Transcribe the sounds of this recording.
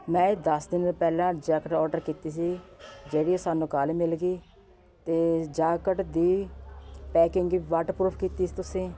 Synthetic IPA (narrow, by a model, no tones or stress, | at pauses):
mɛ̃ːd̪əsd̪ɪnɾpɛːlãːd͡ʒɛːkəʈɔːɾɖəɾkiːt̪iːs̬iːd͡ʒeːɽiːoːsaːnũːkaːleːmɪlɡiː | t̪eːd͡ʒaːkəʈd̪iː | pɛːkɪ̃ŋɡiʋaːʈpɾuːpʰkiːt̪iːsiːt̪ʊsẽː